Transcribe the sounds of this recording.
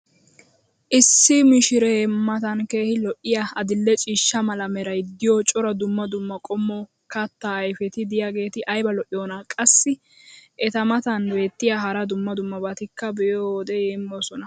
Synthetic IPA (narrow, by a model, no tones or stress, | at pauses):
ʔɪsːɪmɪʃɪɾemɐt̪ɐnke̞ːhɪlɔʔɪjaɐd̪ɪlːɛt͡ʃʼiːʃːɐmɐlɐmɛɾɐjd̪ɪjɔt͡ʃʼɔɾɐd̪ʊmːɐd̪ʊmːɐkʼɔmːɔ | kɐt̪ːaːjfɛt̪ɪd̪ɪjaɡe̞ːt̪ɪʔɐjbɐlɔʔɪjoːnɐkʼɐsːɪ | ʔɛt̪ɐmɐt̪ɐnbe̞ːt̪ːɪjaɦɐɾɐd̪ʊmːɐd̪ʊmːɐbɐt̪ɪkːɐbɛjod̪ɛjeːmːoːsɔnɐ